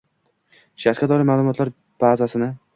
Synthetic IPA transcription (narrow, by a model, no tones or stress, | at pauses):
ʃaskʲad̪ɒɾɪmaːlˠʊmɒt̪laɾ | b̥azasɪnɪ